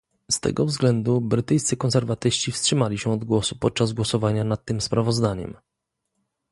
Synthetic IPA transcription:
st̪ɛ̰ɡɔvzɡlɛnd̪ubɾɘt̪ɘjst̪sɘkɔnsɛɾvat̪ɘɕt͡ɕifstʂɘmalʲiɕɛɔd̪ɡwɔsupɔt̪̚t͡ʂazɡwɔsɔvaɲanat̪ːɘmspɾavɔzd̪aɲɛ̰m

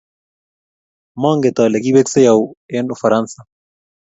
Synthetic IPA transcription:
maŋɡet̪aleɡiβeksejawenofaɾansa

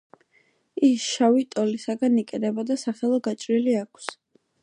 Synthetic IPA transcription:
isʃavit̪ʼɔlisaɡanikʼɛd̪ɛbɔd̪asaχɛlˠɔɡat͡ʃʼɾiliakʰs

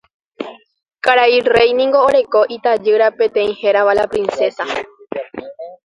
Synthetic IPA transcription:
kaɾaire̞jnĩŋɡo̞ːɾe̞ko̞ʔit̪ad͡ʒɨɾapẽ̞t̪ẽ̞ĩhe̞ɾaʋalapɾĩnse̞sa

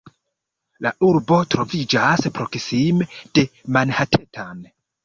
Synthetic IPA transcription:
laʔuɾbo̞tɾo̞vid͡ʒaspɾo̞ksimed̥e̞manhatʰe̞tan

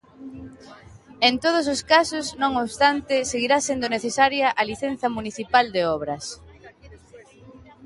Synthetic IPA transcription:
ent̪oð̞ʊs̬oskasʊznõŋoβst̪ant̪ɪseɣiɾasend̪ʊneθesaɾjɐʔɐliθenθɐmuniθipald̪eɔβ̞ɾɐs

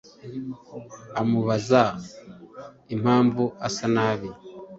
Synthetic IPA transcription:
amuβaza | im̥haːɱvuasanaβi

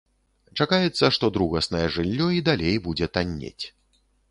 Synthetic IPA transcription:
t͡ʂakajɛt̪sːɐʂt̪ɔd̪ɾuɣɐsnɐjɛʐɨlʲːɔid̪alʲejbud͡zʲɛt̪anʲːḛt͡sʲ

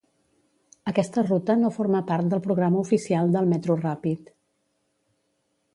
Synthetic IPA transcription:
əkɛst̪ərut̪ənofoɾməpaɾt̪̚d̪əlˠpɾuɣɾaməufisialˠd̪əlˠmɛt̪ɾurapit̪

